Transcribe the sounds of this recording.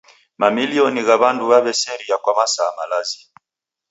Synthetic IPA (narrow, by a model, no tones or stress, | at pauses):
mamiliɔniɣaβanduβaβɛsɛɾijakwamasamalazi